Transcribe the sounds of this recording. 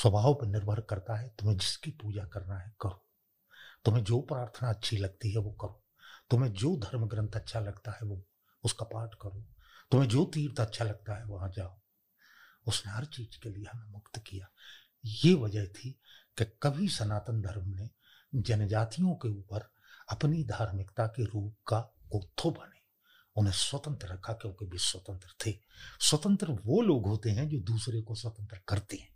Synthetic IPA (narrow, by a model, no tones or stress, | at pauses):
swɐbʱaːɦopenɪɾbʱəɾkɐɾt̪aɦɛt̪ʊmẽd͡ʒɪskipuːd͡ʒakɐɾnaɦɛkɐɾo | t̪omẽd͡ʒoːpɾaːɾt̪ʰənaɐtːʃʰilɐɡ̚t̪iɦɛʋokɐɾo | t̪omẽd͡ʒoːd̪ʱɐɾmɡɾə̃nt̪ʰətːʃʰalɐɡt̪aɦɛʋo | ʊskapaːɾʈkəɾõː | t̪ʊmẽd͡ʒoːt̪iːɾt̪aːtːʃʰalɐɡ̚t̪aɦɛʋɐɦãd͡ʒaːo | ʊsneɦɐɾt͡ʃiːd͡ʒkelieɦɐmemʊkt̪kijaː | jeʋɐd͡ʒəɦt̪ʰikekɐbʱisɐnaːt̪ənd̪ʱɐɾmne | d͡ʒɐnəd͡ʒaːt̪ijõkeuːpəɾ | ɐpnid̪ʱaːɾmɪkt̪akeɾuːp̚kaɡoːt̪ʰːobɐneː | ʊnɦẽswɐt̪ə̃nt̪ɾəɾɐkʰakjõːkebʱiswɐt̪ə̃nt̪ɾət̪ʰeːswɐt̪ə̃nt̪ɾəʋoloːɡɦoːt̪eɦɛ̃d͡ʒoːd̪uːsɾekoswɐt̪ə̃nt̪ɾəkɐɾt̪eɦɛ̃ː